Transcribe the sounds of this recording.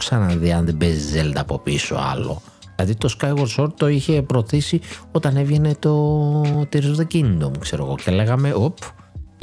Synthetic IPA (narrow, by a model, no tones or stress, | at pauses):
ksɐnɐnðiɐnðebezzeld̪ɐpo̞piiso̰ɐ̰lo̞̰ | ɐðit̪oskɐjɣoɾso̞ɾt̪t̪ːo̞içe̞pɾo̞θisio̞t̪ɐne̞vʝe̞ne̞t̪o̞t̪iɾizðecind̪omkse̞ɾo̞ɣo̞ceeleɣɐme̞ʔop